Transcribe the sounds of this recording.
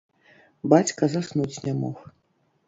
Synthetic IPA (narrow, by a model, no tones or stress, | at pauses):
bat͡sʲkɐzasnut͡sʲnʲɛmɔ̰x